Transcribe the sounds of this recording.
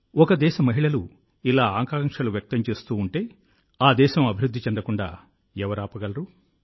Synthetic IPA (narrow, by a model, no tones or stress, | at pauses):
ɔkɐd̪ɛːʃɐmɐɦiɭɐlu | ilaːaːŋkaːŋkʂɐluʋjɐk̚t̪ɐmt͡ʃe̞ːst̪uːɳʈe̞ː | aːd̪ɛːʃɐmɐbʱiɾud̪ːit͡ʃɛnd̪ɐkuɳɖa̰ː | ɛʋɐɾaːpɐɡɐlɐɾu